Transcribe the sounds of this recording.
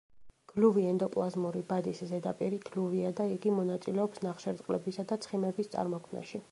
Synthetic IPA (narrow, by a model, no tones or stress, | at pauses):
ɡ̥luviɛnd̪ɔpʼlˠazmuɾibad̪iszɛd̪apʼiɾiɡ̥luviad̪aiɡimɔnat̪sʼilɛɔpsnaχʃɛɾt̪ʼqʼlɛ̰bisad̪at̪sʰχimɛbist̪sʼa̰ɾmɔkʰmna̰ʃi